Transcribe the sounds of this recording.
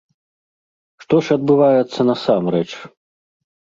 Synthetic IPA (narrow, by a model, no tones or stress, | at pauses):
ʂt̪ɔʂɐd̪̚bɨvajɛt̪sːɐnɐsamɾɛt͡ʂ